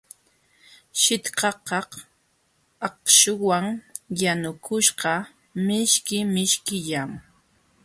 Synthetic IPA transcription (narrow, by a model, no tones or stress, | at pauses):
ʃɪt̪qɑqɑh | ɑqʃʊwaŋjanʊkʰʊʃqɑ | mɪʃkɪmɪʃkɪʎam